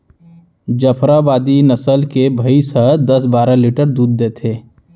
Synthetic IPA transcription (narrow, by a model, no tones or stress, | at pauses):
d͡ʒəpʰɾabaːd̪inəsəlkebʱəisəɦəd̪ɐsbaːɾaliʈəɾd̪uːd̪ːeːt̪ʰeː